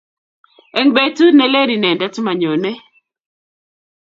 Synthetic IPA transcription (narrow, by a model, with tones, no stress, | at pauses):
e˨ŋbe˨tu˦ne˦le˦ɾi˨nɛ˨nda˦tma˨ɲo˨nɛ˦